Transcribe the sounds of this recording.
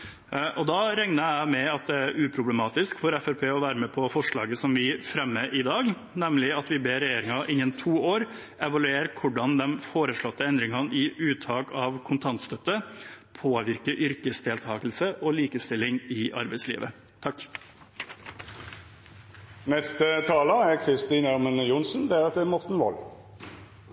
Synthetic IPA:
ʔɔd̪ɑːɾɛŋnəæɪmɛɑt̪̚d̪ɛæɾʉːpʰɾʊbləmɑːt̪ɪskfɔɾæfæɾpʰeːɔʋæːɾəmɛːpʰɔfɔʂɭɑ̰ːɡəsɔmʋɪfɾɛmːəʔɪd̪ɑːɡ | nɛmlɪɑt̪ʋɪbeːɾɛjeːɾɪŋɑʔɪnːənt̪ʰuːoːɾ | ʔɛʋɑlʉeːɾkʰʊɖɑnd̪ɛnfoːɾəʂɭɔt̪ːəɛnd̪ɾɪŋɑnɪʔʉːt̪ʰɑːkɑʋkʰʊnt̪ʰɑnt̪st̪œt̪ːəpʰoːʋɪɾkəɾʔʏɾkəsd̪eːlt̪ʰɑːkl̩səʔoːliːkəst̪ɪlɪŋɪʔɑ̰ɾbɛɪslḭːʋə | t̪ʰɑk | nɛst̪ət̪ʰɑːləækʰɾɪst̪iːnæʁmənjʊnsn̩d̪ɛʁɛt̪ɛmɔʁt̪n̩ʋɔ̰l

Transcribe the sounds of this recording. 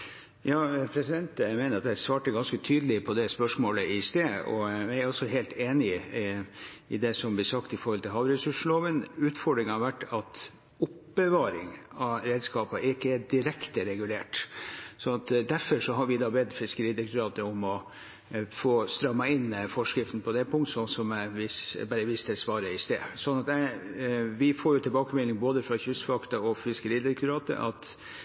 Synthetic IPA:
jɑːpʰɾɛsɪd̪ɛnt̪meːnəɾɑt̪̚d̪æsʋɑːʈəɡɑnskət̪ʰyːd̪əlɪpʰɔd̪ɛspœʂmoːləɪst̪eːɔ̰ææɾɔsɔɦeːlt̪eːnɪ | ɪd̪ɛsɔmblɪsɑkt̪ɪfɔɾhɔlt̪ʰɪlɦɑːʋɾɛsʉʂloːʋənʉːt̪fɔɖɾɪŋhɑɾʋæʈːɑt̪ | ʊpbəʋɑːɾɪ̰ŋɑɾeːd̪skɑːpɑʔɪkːəæɖɪɾɛkt̪əɾɛɡʉleːʈsɔnɑt̪d̪æɾfɔʂɔɦɑɾʋɪd̪ɑːbɛd̪fɪskəɾiːd̪ɛk̪ʉɾɑːt̪əɔmɔ | foːst̪ɾœmːɑɪnfɔʂkɾɪft̪n̩pʰɔd̪ɛpʰʊŋt̪sɔnsɔmæʋɪsbæːɾəʋɪst̪ɛsʋɑːɾəɪst̪ḛːsɔnːɑt̪æ | ʋɪfoːɾjʊt̪ʰɪlbɑːkəmɛlːɪŋboːd̪əfɾɑçʉsfɑkt̪ɑɔfɪskəɾiːd̪ɛk̪ʉɾɑːt̪ə̰ʔɑ̰t̪

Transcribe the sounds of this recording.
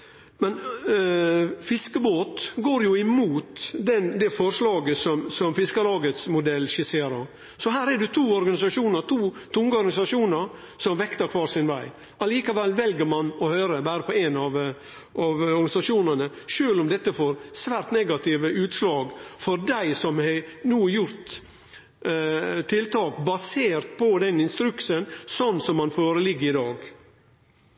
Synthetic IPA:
mɛn | fɪskəboːt̪ɡoːɾjʊɪmuːt̪d̪ɛnd̪ɛfɔɾʂlɑːɡəsɔmsɔmfɪskəlɑːɡət̪smʊd̪ɛlːʃɪseːɾəɾ | sɔɦæːɾɛdʊt̪ʰuːɔɾɡɑnɪsɑʂuːnəɾt̪ʰuːt̪ʰʊŋɡəɔɾɡɑnɪsɑʂuːnəɾ | sɔmʋɛkt̪əɾkʰʋɑːɾsɪnʋæɪ | ʔɑliːkɑʋɛlːʋɛlɡəɾmɑnɔhøːɾəbæːɾəpʰɔenɑʋ | ʔɑʋɔɾɡɑnɪsɑʂuːnənə | ʂøːlʊmd̪ɛt̪ːəfoːɾsʋæːɾt̪nɛɡɑt̪ɪʋəʉːt̪slɑːɡfɔɾd̪æɪsɔmhɛnuːjʊɾt̪ | t̪ʰːɪlt̪ʰɑːkbɑseːɾt̪pʰɔd̪ɛnɪnst̪ɾʉksənsɔnːsɔmhɑnfoːɾəlɪɡːəɾɪd̪ɑːɡ

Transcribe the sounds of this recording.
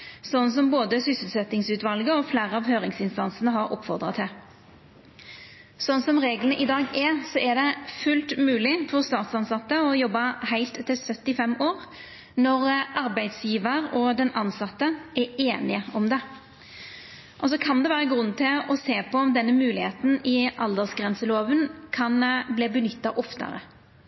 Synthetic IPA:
sɔnːnsɔmboːd̪əsʏsʉl̩sɛt̪ːɪŋsʉːt̪ʋɑlɡəɔfleːʁəɑːʋhøːɾɪŋsɪnst̪ɑnsənəɦɑɾʔɔ̰pːfɔʁd̪ʁɑt̪ʰɪl | sɔnəsɔmʁeːɡlənəʔɪd̪ɑːɡɛsɔʔɛd̪ɛfʉlt̪mʉːlɪfɔʁst̪ɑːt̪sɑnsɑt̪ːəɔjɔbːɑhæɪlt̪ʰːɪlsœt̪ːɪfɛmoːʁ | nɔʁʔɑʁbæɪd̪sjiːʋəʁɔd̪ɛnʔɑnsɑt̪ːəɛeːnɪəɔmd̪ɛ | ʔɔsɔkʰɑnd̪ɛʋæːʁəɡʁʉnːət̪ʰɪlɔseːpʰɔɔmd̪ɛnːəmʉːlɪheːt̪n̩ɪʔɑld̪əsɡʁɛnsəloːʋənkʰɑnbliːbənʏt̪ːɑʔɔft̪ə̰ɾə̰

